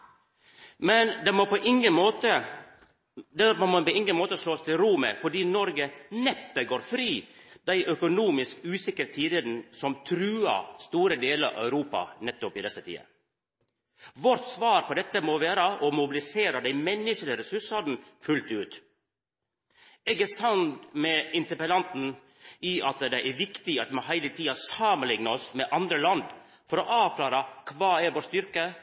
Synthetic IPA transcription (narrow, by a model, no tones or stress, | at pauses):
mɛnd̪ɛmopɔʔɪŋəoːt̪ə | d̪ɛpɔɪŋɡənmoːt̪əʂloːst̪ʰɪlɾumə̰fɔɖiːnɔɾɡənɛpːəɡoːɾfɾiːd̪æɪʔœkʊnuːmɪskʉːsɪkːəɾət̪ʰiːd̪ɪd̪n̩sɔmt̪ʰɾʉːɑ̰st̪uːɾəd̪eːləɾɑ̰œʉɾuːpɑ̰nɛt̪ːʊpɪd̪ɛsːət̪ʰḭːə̰ | ʋɔɾt̪sʋɑːɾpʰɔd̪ɛt̪ːəmoʋæːɾəʔɔmʊbɪlɪseːɾɑd̪æɪmɛnːəʂəlɪəɾɛsʉʂɑd̪n̩fʉlt̪ʉːt̪ | ɛɡɛsɑnt̪mɛɪnt̪əɾpəlɑnt̪n̩ | iʔɑt̪d̪ɛʔæɾʋɪkt̪ɪɑt̪mɔɦæɪlət̪ʰiːɑsɑmənlɪŋnəɔsmɛʔɑnd̪ɾəlɑnd̪ | fɔɾɔʔɑːʋklɑːɾɑkʰʋɑːæɾʋoːʂt̪ʏɾkə